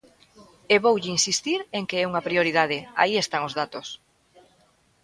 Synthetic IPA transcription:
eβowʎɪinsist̪iɾeŋkeɛuŋɐpɾioɾiðað̞ɪa̰iest̪aŋozðat̪os

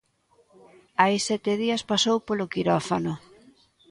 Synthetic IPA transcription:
ajsɛt̪ɪðiɐspasowpolokiɾɔfanʊ

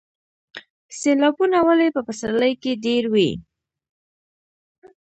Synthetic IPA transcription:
selɑbunawalepəpasaləjkeɖeɾwḭ

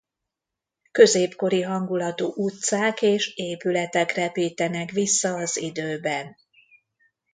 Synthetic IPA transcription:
kø̞zeːpko̞ɾiɦɒŋɡulɒt̪oːʔut̪saːkeːʃeːpylɛt̪ɛkrɛpiːt̪ɛnɛkʋisːɒːzid̪øːbɛn

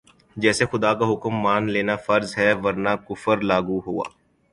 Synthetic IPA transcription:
d͡ʒɛːsexʊd̪aːkaɦʊkəmːaːnleːnafɐɾzɦɛʋɐɾnaːkʊfəɾlaːɡuɦua̰ː

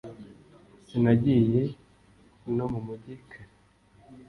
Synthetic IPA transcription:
sinaɟiːje | nomumuɟikʰa

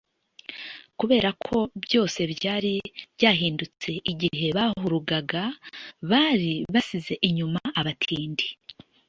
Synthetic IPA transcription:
kuβe̞ːɾakʰo̞bjo̞ːse̞βjaːɾiβjaːɦiːndut͡se̞ʔiɟihe̞βaːhuɾuɡaɡaβaːɾiβasize̞ʔiɲumaaβatʰiːndi

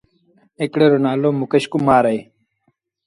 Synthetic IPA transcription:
ekɽeɾonaːlomukɐɕkumaːɾɐj

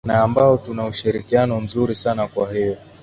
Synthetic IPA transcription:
naːmbaɔtunauʃiɾikianɔm̩zuɾisanakwahijɔ

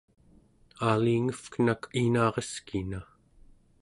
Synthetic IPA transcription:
aːliŋəfkənakʰinɑːʁeskina

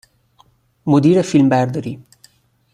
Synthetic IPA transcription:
mod̪iːɾefilmbæɾd̪ɔɾiː

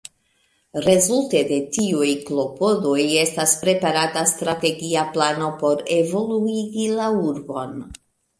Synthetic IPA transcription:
ɾe̞zulte̞de̞tiujklo̞po̞do̞je̞staspɾe̞paɾatastɾate̞ɡiaplano̞po̞ɾe̞vo̞luiɡilauɾbo̞n

